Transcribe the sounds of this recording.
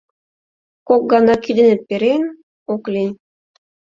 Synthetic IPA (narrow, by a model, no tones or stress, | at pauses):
kok̚ɡɑnɑkid̪ɘ̆nɘ̆t̪̚peɾen | oklʲinʲ